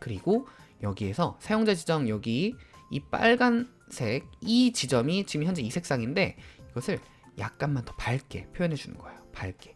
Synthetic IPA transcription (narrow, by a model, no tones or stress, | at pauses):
kɯɾiɡojʌɡie̞sʰʌsʰajoŋd͡ʑad͡ʑid͡ʑʌŋjʌɡiip͈a̰ɭɡan | sʰe̞ɡ̚it͡ɕid͡ʑʌmit͡ɕimiçjʌnd͡ʑeisʰe̞k̚s͈aŋinde̞iɡʌsʰɯɭ | ja̰k̚k͈anmantʌpaɭk͈e̞̰pʰjojʌnɦed͡ʑunɯ̰nɡ̥ʌejopaɭk͈e̞̥